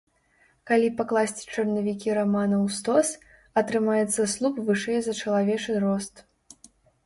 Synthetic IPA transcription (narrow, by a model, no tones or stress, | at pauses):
kalʲipaklˠasʲt͡sʲi̥t͡ʂɐrnɐvʲikʲiɾamanɐwst̪ɔs | ɐt̪ɾɨmajɛt̪sːɐslˠupvɨʂɛjzɐt͡ʂɐlˠavʲɛt͡ʂɨɾɔst̪